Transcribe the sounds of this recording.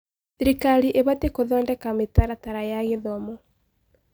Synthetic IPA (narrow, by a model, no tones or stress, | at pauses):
seɾikaɾiʔeβatekoðɔːndɛkametaɾataɾajaɣeðɔmɔ